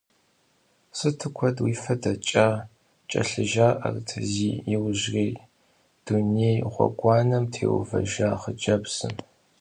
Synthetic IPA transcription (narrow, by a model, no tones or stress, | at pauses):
sɨtʰɨkʷʰɔdwiːfɐdɐt͡ʃʼaː | t͡ʃʼɐ̰ɬɨʒaːʔɐ̰rtʰɨziːjɪwʒriː | d̥unejʁʷɔ̰ɡʷɑːnɐmtʰḛːwʊ̰vɐ̰ʒaːχəd͡ʒɐbsɨ̰m